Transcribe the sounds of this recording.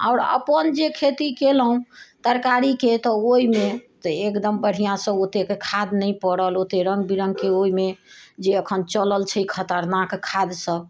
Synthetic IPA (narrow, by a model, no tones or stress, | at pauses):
a̰ʊɾə̰pənd͡ʒekʰet̪ikelɦũt̪əɾkaɾiket̪ɔoimet̪ekd̪əmbəɽ̤ijãsəbot̪ekekʰad̪nəjpəɽəlot̪eɾə̃ŋɡbiɾəŋɡkeoimed͡ʒeəkʰənt͡ʃələlt͡ʃʰəikʰət̪əɾnakkʰad̪səb